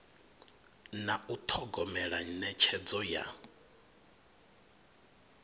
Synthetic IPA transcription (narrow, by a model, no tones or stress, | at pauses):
naut̪ʰɔɡɔmɛɺanɛt͡ʃʰɛd͡zɔja̰